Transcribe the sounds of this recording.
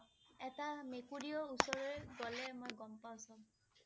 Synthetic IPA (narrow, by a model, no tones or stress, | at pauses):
ɛtamekuɹiɔusɔɹɔɡɔlɛmojɡɔmpawsɔ̃